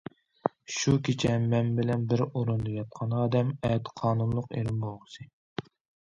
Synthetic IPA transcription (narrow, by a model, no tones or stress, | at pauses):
ʃukʲʰet͡ʃʰɛːɛnbɪlɛnbɪɾoɾund̪ɨkʲɑt̪̚qʰɑnʁɑd̪ɛmɛt̪qʰɑːnunlˠʊqḛɾɪmbolˠʁəsɨ